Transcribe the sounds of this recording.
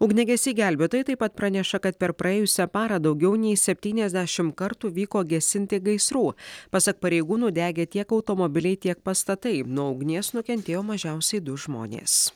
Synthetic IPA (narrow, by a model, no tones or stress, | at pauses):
ʊɡnʲɛɡʲɛsʲiːɡʲæˑlʲbʲeːt̪oːjɪt̪ɐɪpɐt̪̚pɾɐnʲɛʃɐkɐt̪̚pʲɛɾpɾʔɐeːjʊsʲɛpɑːɾɐd̪ɒʊɡʲɛʊnʲɛɪsʲɛpʲt̪ʲiːnʲɛzʲd̪ʲæʃʲɪmkɐɾt̪uːʋʲiːkoːɡʲɛsʲɪnʲt̪ʲɪɡɐɪsɾuːpɑsɐk̚pɐɾʲɛɪɡuːnuːd̪ʲæːɡʲeːt̪ʲiɛkɐʊt̪omɔbʲɪlʲɛɪt̪ʲiɛk̚pɐst̪ɐt̪ɐɪnuɔʊɡnʲeːsnʊkʲɛnʲt̪ʲeːjoːmɐʒʲæˑʊsʲɛɪd̪ʊʒmo̰ːnʲḛːs